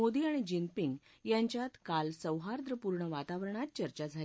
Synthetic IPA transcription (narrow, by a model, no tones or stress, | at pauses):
od̪iaɽ̃id͡ʑinpiŋɡ | jaɲt͡ɕjat̪kalsəwɦaɾd̪ɾəpuɾɳəʋat̪aʋɾəɳ̃at̪̚t͡ɕəɾt͡ɕad͡zʱal